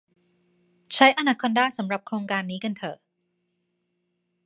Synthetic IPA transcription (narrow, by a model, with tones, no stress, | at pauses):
t͡ɕʰa˦˥jʔa˧naː˧˩kʰo˧ndaː˥˩jsa˩˦mɾa˨˩p̚kʰɾoː˧ŋkaː˧nːiː˦˥ka˧nt̪ʰɤː˧˩